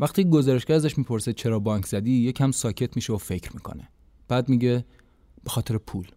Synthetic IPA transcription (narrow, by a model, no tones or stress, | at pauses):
væxt̪ʰiːeɡo̞zɒːɾeʃɡæɾæzæʃmiːpʰo̞ɾset͡ʃʰe̞ɾɒːbɒːŋkʰz̥æd̪iːjecʰæmsɒːcʰe̞t̪ʰmiːʃeofe̞cɾmiːkʰo̰ne | b̥æːd̪miːɟe | b̥exɒːt̪ʰe̞ɾepʰuːl